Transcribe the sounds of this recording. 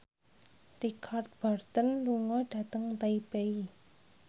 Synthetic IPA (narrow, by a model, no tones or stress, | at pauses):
rikʰart̪̚b̥art̪ənluŋɔd̥ä̤t̪əŋt̪aibei